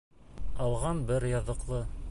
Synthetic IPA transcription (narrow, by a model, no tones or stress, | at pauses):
ɑlˠʁɑnbɘɾjɑðɤ̆qlˠɤ